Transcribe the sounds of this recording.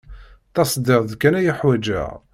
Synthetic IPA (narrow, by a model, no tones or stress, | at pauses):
θɑsˤd̪iʁðkːænæjəħwæd͡ʒæ̰ʁ